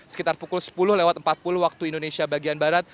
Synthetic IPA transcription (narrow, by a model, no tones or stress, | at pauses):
sə̥kit̪arpukʊlsə̥pulʊhlewat̪̚əmpat̪̚pulʊhwak̚t̪uindonesiabaɡianbaɾat̪̚